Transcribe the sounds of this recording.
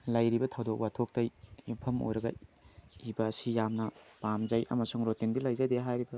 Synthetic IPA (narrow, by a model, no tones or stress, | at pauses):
lɐjɾibɐtʰɐwdok̚watʰok̚tɐjipʰɐmo̰jɾɐɡɐ | ibɐsijamnɐpamzɐjʔɐ̰mɐsuŋɾotindilɐjzɐjdeɦajɾibɐ